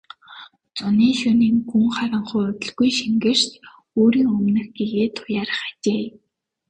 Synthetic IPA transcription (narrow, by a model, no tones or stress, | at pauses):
t͡sʊniːʃʊniːŋxuŋχaɾə̆ɴχʊjʊt̪ʲɵ̆ɮɡujʃiŋɡɘ̆r̥ʃt̪ | oːɾiːŋɵmnɘ̆xɡeɣeːt̪ʰʊ̥jaːɾ̆χḁt͡ɕeː